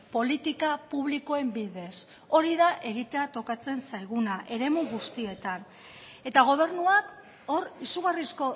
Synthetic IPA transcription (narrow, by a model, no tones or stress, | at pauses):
po̞lit̪ikapuβ̞liko̞e̞mbiðe̞s | o̞ɾiðaʔe̞ɣ̞it̪e̞at̪o̞kat͡se̞nsajɣ̞unaʔe̞ɾe̞muɣust̪ie̞t̪an | e̞t̪aɣ̞o̞β̞e̞ɾnuak | o̞ɾisuɣarisko̞